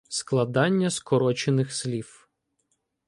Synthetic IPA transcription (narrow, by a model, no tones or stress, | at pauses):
sklˠɐd̪ɑnʲːɐskɔɾɔt͡ʃenɪxslʲif